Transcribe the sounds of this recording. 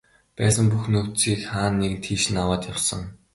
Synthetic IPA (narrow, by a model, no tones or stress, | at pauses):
pæːsə̆ŋpuxnɵkt͡siːkχaːnːek̆nt̪ʰiːʃɘ̆nawaːt̪jawsə̆ŋ